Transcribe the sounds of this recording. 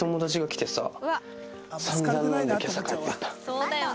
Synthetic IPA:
omod̪oʑiɡakʲi̥t̪esa̰ | sãnd̪ãnːãid̪ekʲasakaet̪ːeit̪ːḁ

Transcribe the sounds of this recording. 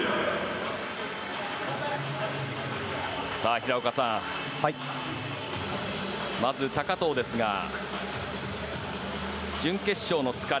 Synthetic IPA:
saːçiɾaokasã | mazɨt̪akat̪o̞ːd̪e̞sɨɡa̰ | d͡ʑɨ̃ŋke̞ɕːo̞ːno̞t͡sɨ̥ka

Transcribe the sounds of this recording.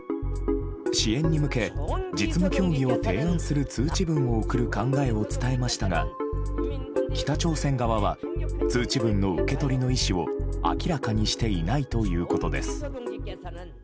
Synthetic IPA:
ɕiẽ̞ɲ̟ːimɯ̟ke̞d͡ʑit͡sɨmo̞kʲo̞ːɡʲio̞t̪e̞ːãɰ̃sɨɾɯ̟t͡sɨːt͡ɕibɯ̟̃ɰ̃o̞ɯkɯ̟ɾɯ̟kãŋɡae̞o̞t͡sɨ̥t̪ae̞maɕi̥t̪aɡa̰ | kʲi̥t̪at͡ɕo̞ːsẽ̞ŋɡaβaβ̞at͡sɨːt͡ɕibɯ̟̃nːo̞ɯ̟ke̞t̪o̞ɾʲino̞iɕio̞̰a̰kʲiɾakaɲ̟iɕi̥t̪e̞inait̪o̞jɯ̟ːko̞t̪o̞d̪e̞sɨ̥

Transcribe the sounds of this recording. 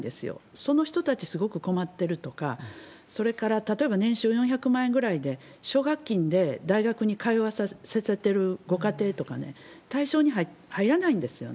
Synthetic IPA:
d̪e̞sɨjo̰so̞no̞çi̥t̪o̞t̪at͡ɕisɨɡo̞kɯ̟ko̞mat̪ːe̞ɾɯ̟t̪o̞ka | so̞ɾe̞kaɾat̪at̪o̞e̞banẽ̞ɰ̃ɕɨːjõ̞ɰ̃çakɯ̟mãẽŋɡɯ̟ɾaid̪e̞ɕo̞ːɡakʲːĩnd̪e̞d̪aiɡakɯ̟ɲ̟ikaiβasaseset̪e̞ɾɯ̟ɡo̞kat̪e̞ːt̪o̞kane̞̰t̪aiɕo̞ːɲ̟iɦahaiɾanaĩnd̪e̞sɨjo̰

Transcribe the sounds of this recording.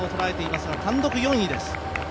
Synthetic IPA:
ot̪o̞ɾae̞t̪e̞imasɨɡat̪ãnd̪o̞kɯ̟jõ̞ɰ̃id̪e̞sɨ̥

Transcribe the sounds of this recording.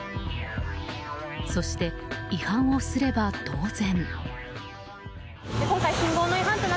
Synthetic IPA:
so̞ɕi̥t̪e̞ihãɰ̃o̞sɨɾe̞bad̪̥o̞ːzẽ̞n | d̪ekõŋkaiɕĩŋɡoːnoiɦãnt̪en

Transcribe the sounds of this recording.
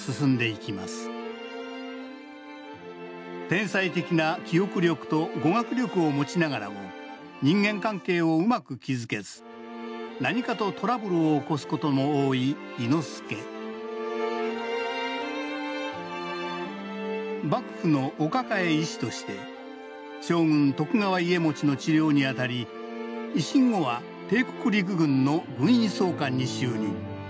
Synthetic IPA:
sɨsɨ̃nd̪e̞ikʲimasɨ̥ | t̪ẽ̞ɰ̃sait̪e̞kʲinakʲio̞kɯ̟ɾʲo̞kɯ̟̥t̪o̞ɡo̞ɡakɯ̟ɾʲo̞kɯ̟o̞mo̞t͡ɕinaɡaɾa̰mo | ɲ̟ĩŋɡẽ̞ŋkãŋke̞ːo̞ɯ̟makɯ̟kʲizɨke̞zɨ | naɲ̟ikat̪o̞t̪o̞ɾabɯ̟ɾɯ̟oːko̞sɨ̥ko̞t̪o̞mo̞oːiː | ino̞sɨ̥ke̞ | bakɯ̟̥ɸɯ̟no̞ʔːkakae̞iɕi̥t̪o̞ɕi̥t̪e̞̰ | ɕo̞ːŋɯ̟̃nt̪o̞kɯ̟ŋaβaie̞mo̞t͡ɕino̞t͡ɕiɾʲo̞ːɲ̟iat̪aɾʲi | iɕĩŋɡo̞βa | t̪e̞ːko̞kɯ̟ɾʲik̬ɯ̟ɡɯ̟̃nːo̞ɡɯ̟̃ɰ̃ĩso̞ːkãɲ̟ːiɕɨːɲ̟ḭ̃

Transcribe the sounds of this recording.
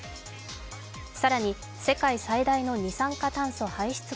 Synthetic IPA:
saɾaɲ̟i | se̞kaisaid̪aino̞ɲ̟isãŋkat̪ãɰ̃sohaiɕi̥t͡sɨ

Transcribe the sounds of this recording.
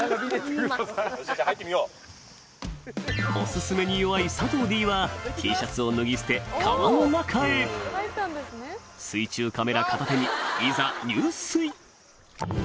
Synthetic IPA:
hait̪ːemʲijoː | o̞sɨsɨme̞ɲ̟ijoβaisat̪o̞ːd̪ʲiːβakʰʲiːɕat͡sɨo̞nɯ̟ɡʲisɨ̥t̪e̞kʰaβanonakʰae̞t̪ːand̪esnesɨit͡ɕɨːkame̞ɾakat̪at̪e̞ɲ̟iizaɲ̟ɨːsɨi

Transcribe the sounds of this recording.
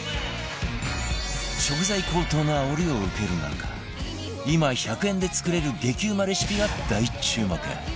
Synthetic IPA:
ɕo̞kɯ̟zaikʰo̞ːt̪o̞ːno̞aoɾʲio̞ɯ̟ke̞ɾɯ̟na̰kḁ | imaçakɯẽ̞nd̪e̞t͡sɨ̥kɯ̟ɾe̞ɾɯ̟ɡe̞kʲɨːmaɾeɕi̥pʲiɡad̪̥ait͡ɕɨːmak̪ḛ̃

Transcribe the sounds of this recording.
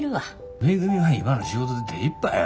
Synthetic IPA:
ɾɯa | meɡɯmʲiwaimãnoɕiot̪od̪ed̪eipːai

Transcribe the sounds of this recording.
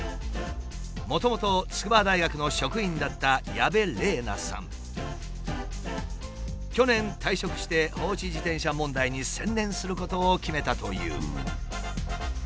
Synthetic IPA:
mo̞t̪o̞mo̞t̪o̞t͡sɨ̥kɯbad̪aiɡakɯ̟no̞ɕo̞kɯ̟ĩnd̪at̪ːajabe̞ɾe̞ːna̰sã̰ŋ | kʲo̞nẽ̞nt̪aiɕo̞kɯ̟̥ɕi̥t̪e̞ho̞ːɕid͡ʑit̪ẽ̞ɰ̃ɕamõ̞nd̪aiɲ̟isẽ̞nd̪ẽ̞ɰ̃sɨɾɯ̟ko̞t̪o̞ːkʲime̞t̪at̪o̞jɯ̟̰ː

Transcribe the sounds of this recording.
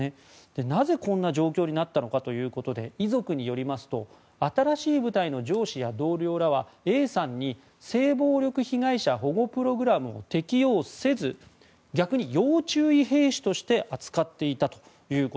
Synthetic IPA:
e | d̪̥e̞naze̞kõ̞nːaʑo̞ːkʲo̞ːɲ̟inat̪ːano̞kat̪o̞jɯ̟ːko̞t̪o̞d̪e̞̰izo̞kɯ̟ɲ̟ijo̞ɾʲimasɨ̥t̪o̞ | at̪aɾaɕiːbɯ̟t̪aino̞d͡ʑo̞ːɕijad̪o̞ːɾʲo̞ːɾaβ̞ae̞ːsãɲ̟ːi | se̞ːbo̞ːɾʲo̞kɯ̟çiɡaiɕaɦo̞ɡo̞pɯ̟ɾo̞ɡɯ̟ɾamɯ̟o̰t̪e̞kʲio̞ːse̞zɨ | ɡʲakɯ̟ɲ̟ijo̞ːt͡ɕɨːiɦe̞ːɕi̥t̪o̞ɕi̥t̪e̞ʔat͡sɨ̥kat̪ːe̞it̪at̪o̥ | jɯ̟ːko

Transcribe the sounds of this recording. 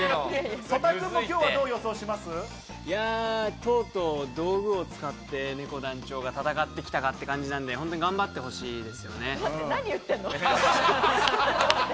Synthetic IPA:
sot̪akɯ̃mːokʲoːad̪o̞ːjoso̞ːɕimasɨ | jat̪o̞ːt̪o̞d̪o̞ːɡɯ̟o̞t͡sɨ̥kat̪ːe̞ne̞ko̞d̪ãɲt͡ɕo̞ːɡat̪at̪akat̪ːe̞kʲi̥t̪akat̪ːe̞kãɲ̟d͡ʑinãnd̪e̞ɦõnt̪oɲʲiɡãmbat̪ːe̞ɦo̞ɕiːd̪e̞sɨjo̞̰ne̞naɲ̟ijɯ̟t̪ːẽnːo

